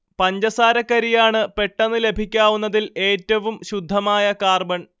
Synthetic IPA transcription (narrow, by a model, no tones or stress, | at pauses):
pɐɲd͡ʑɐsaːɾɐkːɐɾijaːɳɨpe̞ʈːɐnːɨle̞bʱikʲːaːʋunːɐðile̞ːtːɐʋumɕud̪ʱːɐmaːjɐkaːrbɐɳ